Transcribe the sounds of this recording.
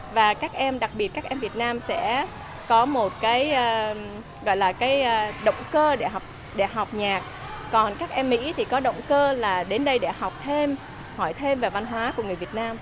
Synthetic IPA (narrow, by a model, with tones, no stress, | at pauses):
vaː˨˩kaː˦˥k̚ʔɛ˧mɗa˨˩k̚ɓi˨˩ət̚kaː˦˥k̚ʔɛ˧mvi˨˩ət̚naː˧msɛ̰˧˥ | kɔ˨˦mo˨˩t̚kaː˨˦jʔəː˧ | ɣɔ̰˧˨jlaː˨˩kaː˨˦jʔːɗə̰˧˨wŋ͡mkəː˧ɗe˧˩ɦa˨˩wk͡p̚ | ɗe˧˩ɦa˨˩wk͡p̚ɲaː˨˩k̚ | kɔ˨˩nkaː˦˥k̚ʔɛ˧mːḭ˧˥t̪ʰi˨˩kɔ˨˦ɗə̰˧˨wŋ͡mkəː˧laː˨˩ɗe˨˦nɗə˧jɗḛ˧˩ha˨˩wk͡p̚t̪ʰe˧m | hɔ˧˩jt̪ʰe˧mvaː˨˩va˧nɦwaː˨˦ku˧˩əŋɨ˨˩əvi˨˩ət̚naː˧m